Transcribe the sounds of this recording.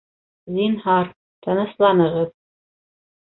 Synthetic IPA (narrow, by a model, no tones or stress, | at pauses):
zinhɑɾ | t̪ʰɤ̆nɤ̆slˠɑnɤ̆ʁɤð